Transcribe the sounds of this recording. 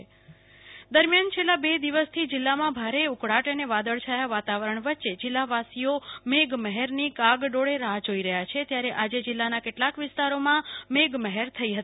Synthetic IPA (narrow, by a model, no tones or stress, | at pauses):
d̪əɾmjant͡ʃʰelːabed̪iʋəst̪ʰid͡ʒɪlːamãbʱaɾeukɽaʈəneʋad̪əɭt͡ʃʰajaʋat̪aʋəɾəɳʋətːʃed͡ʒɪlːaʋasiomeɡməɦɛɾnikaɡɖoɽeɾaɦd͡ʒoiɾəɦjat͡ʃʰet̪jaɾeʔad͡ʒed͡ʒɪlːanakeʈlakʋɪst̪aɾomãmeɡməɦɛɾt̪ʰəiɦət̪